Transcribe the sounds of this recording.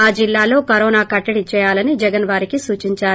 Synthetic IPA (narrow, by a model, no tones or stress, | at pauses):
aːd͡ʒilːaːlo̞ːkɐɾɔːnaːkɐʈːɐɽit͡ʃɛːjaːlɐnid͡ʒɛɡɐnʋaːɾikisuːt͡ʃiɲt͡ʃaːɾu